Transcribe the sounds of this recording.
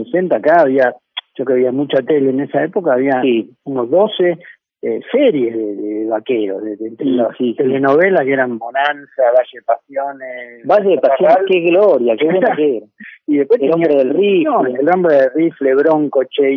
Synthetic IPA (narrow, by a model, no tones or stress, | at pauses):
sesent̪aːkaːβiaʒ̥okeaβiamut͡ʃat̪eleːnesaepokaːβiasiunozðose | eseɾjeðeðeðeβakeɾo̰zðeðet̪eoit̪elenoβelakeɾambonansaβaʒeepasjonesbaʒeðepasjookeɣloɾjakeβwenakeɾaiðehpweteombɾeðelrioelrombɾeðelrifleβɾoŋkot͡ʃe